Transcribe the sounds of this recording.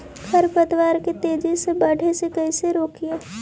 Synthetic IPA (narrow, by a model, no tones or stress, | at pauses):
kʰɐɾpɐd̪waːɾket̪eːd͡ʒesebɐɽ̤ʱesekɐiseɾoːkieː